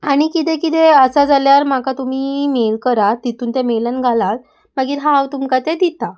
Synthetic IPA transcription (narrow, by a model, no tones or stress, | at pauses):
aɽ̃ikit̪̬ekit̪eəsad͡zaljaɾm̤akat̪um̤iːmelkəɾat̪it̪uːnt̪jamelanɡʱalal | maɡiːɾɦawt̪umkat̪ed̪it̪a